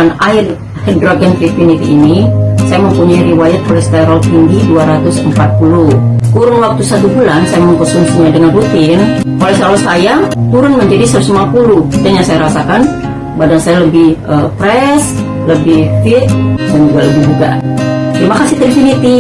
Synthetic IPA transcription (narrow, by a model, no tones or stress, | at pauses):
anaɪr | dɾaɡənt̪ɾifunit̪iːnisajaməmpuɲaiɾiwajat̪̚ʔolɛhst̪aɾɔlpindiduaɾat̪ʊsəmpat̪̚pulukuɾʊŋwak̚t̪usat̪ubulansajaməmpəsuŋsiɲadəŋanrut̪ɪn | ʔolɛsalɔsajat̪uɾʊnməɲd͡ʒadisasumapuludanjaŋsajaɾasakan | badansajaləbɪhʔəpɾɛs | ləbɪhfɪt̪̚dand͡ʒuɡaləbɪd͡ʒuɡa̰t̪əɾimakasiht̪ɾifunit̪i